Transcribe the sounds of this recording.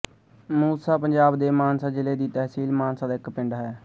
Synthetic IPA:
muːsaːpəɲd͡ʒaːbd̪eːmaːnsaːd͡ʒɪleːd̪iːt̪ɛɦsiːlmaːnsaːd̪aːɪkpɪɳɖaːɦɛː

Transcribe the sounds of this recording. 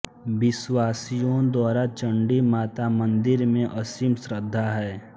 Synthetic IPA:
bɪswaːsijõd̪waːɾat͡ʃə̃ɳɖimaːt̪amə̃nd̪ɪɾmẽʔɐsimsɾəd̪ʱːaɦɛː

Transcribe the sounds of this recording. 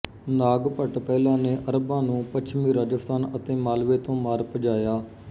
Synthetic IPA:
naːɡpəʈpɛːlãːneːʔəɾbãːnũːpət͡ʃʰmiːɾaːd͡ʒəst̪aːnət̪eːmaːlʋeːt̪õːmaːɾpəd͡ʒaːjaː

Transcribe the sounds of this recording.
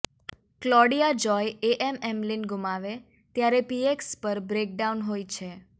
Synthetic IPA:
klɔɽijad͡ʒɔjeʔɛmɛmlinɡumaʋe | t̪jaɾepiekspəɾbɾek̚ɖaunɦojt͡ʃʰe

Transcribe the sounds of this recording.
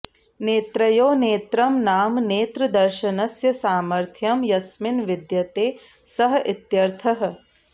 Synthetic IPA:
neːt̪ɾɐjoːneːt̪ɾɐmnaːmneːt̪ɾɐd̪ɐɾʃɐnɐsjɐsaːmɐɾt̪ʰjɐmjɐsminʋid̪jɐt̪eː | sɐɦɐʔit̪jɐɾt̪ʰɐɦɐ̆

